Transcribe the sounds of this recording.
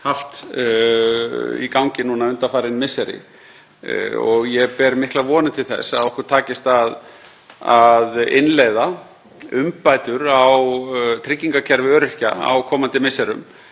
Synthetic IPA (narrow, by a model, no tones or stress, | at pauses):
haft̪ | ḭkawŋcɪnunaʏnt̪afaːɾɪnmɪsːɛɾɪ̰ | ɔɣjɛpɛɾmɪhklavɔːnɪt̪ʰɪlθɛ̰saðɔhkʏɾt̪ʰaːcɪst̪að | aðɪ̰nleːjða | ʏmpajt̪ʏɾawt̪ʰɾɪcːiŋkacʰɛɾvɪœːɾʏhcaa̰wkʰɔːmant̪ɪmɪsːɛɾʏ̰m